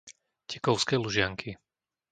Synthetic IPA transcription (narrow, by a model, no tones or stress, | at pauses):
cɛkɔʊskɛːluʒɪaŋkʰi